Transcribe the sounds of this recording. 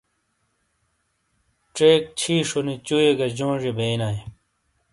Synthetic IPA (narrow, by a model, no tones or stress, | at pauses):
ʈ͡ʂeːk̚t͡ɕʰiːʂunit͡ɕueɡɐd͡ʑõːʐibeːnaːi